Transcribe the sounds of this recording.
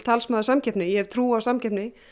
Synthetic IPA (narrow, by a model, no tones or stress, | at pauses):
t̪ʰalsmaːðʏsamcʰɛpnɪjɛɛv̥t̪ʰɾuːawsamcɛpnɪ